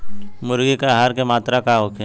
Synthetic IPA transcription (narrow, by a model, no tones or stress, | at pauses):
mʊɾɡikaɦaːɾkemaːt̪ɾakaɦoːkʰe